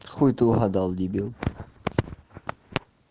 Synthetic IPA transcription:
χujt̪uɦɑd̪ɑlˠd̪ʲibilˠ

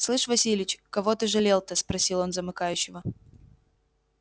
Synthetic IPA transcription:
slˠɨʂvɐsʲilʲɪt͡ɕkɐvo̞t̪ɨʐɨlʲelˠt̪əspɾɐsʲilˠo̞nzəmɨkajʉɕːɪvə

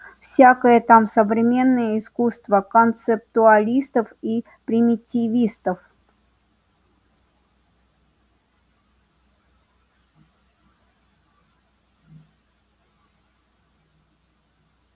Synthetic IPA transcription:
fsʲakəjət̪amsəvɾʲɪmʲe̞nːəjəɪskust̪vəkənt̪sɨp̚t̪ʊɐlʲist̪əfi | pɾʲɪmʲɪtʲɪvʲist̪əf

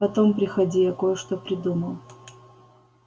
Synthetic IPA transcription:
ɐt̪ompɾʲɪxɐdʲijɐkojəʂt̪opɾʲɪd̪uməlˠ

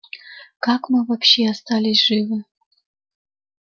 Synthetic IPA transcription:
kakmɨvɐpɕeast̪alʲɪsʲʐ̥ɨvɨ

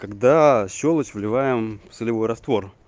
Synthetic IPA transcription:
kɐɡd̪aɕːolˠət͡ɕvlʲɪvajɪmfsɨlʲɪvo̞jɾɐst̪vo̞r

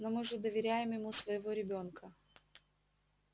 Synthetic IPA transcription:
nomɨʐɨd̪əvʲɪɾʲæjɪmjɪmusvəjɪvo̞ɾʲɪbʲo̞nkʰə

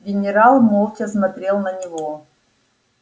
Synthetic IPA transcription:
ɡʲɪnʲɪɾalˠmolˠtʲɐsmɐt̪ɾʲelˠnənʲɪvo

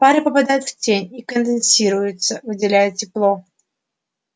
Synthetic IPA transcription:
paɾɨpəpad̪ajʊt̪ftʲenʲikənd̪ɪnsʲiɾʊjʊt̪səvɨdʲɪlʲæjʊt̪̚tʲɪplˠo̞

